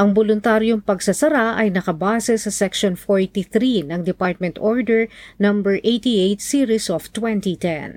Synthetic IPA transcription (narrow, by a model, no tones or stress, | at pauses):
ʔɐŋbolʊnt̪aɾjoŋpɐɡsɐsɐɾaʔɐjnɐkɐbaːsɛsɐsɛkʃonfoɹt̪iθɾinɐŋd̪ɛpaɹt̪̚mɛnt̪oɹd̪ɛɹnɐmbɛɹʔejt̪iʔejt̪siɹisoft̪wɛnt̪it̪ɛ̰n